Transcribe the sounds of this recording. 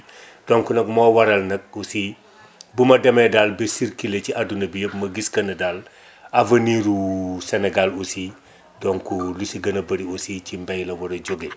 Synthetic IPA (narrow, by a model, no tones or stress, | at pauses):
d̥ɔŋkunɐk̚mɔːwɐɾɐlnɐk̚usi | bumɐdɛmɛdalbɛsiɾkileciʔadunɐbijəp̚mɐɡiskɐnɐdal | avɐniɾusɛnɛɡalusi | dɔŋkulusiɡɐnɐbɐɾiusicimbɛjlɐwɐɾɐɟoɡe